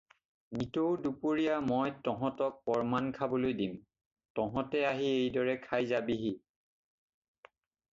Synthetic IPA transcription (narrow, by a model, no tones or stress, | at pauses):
nitowdupoɹijamɔjtɔɦɔ̃tɔk̚pɔɹmankʰabɔlojdim | tɔɦɔ̃tɛaɦiejdɔɹɛkʰajzabiɦi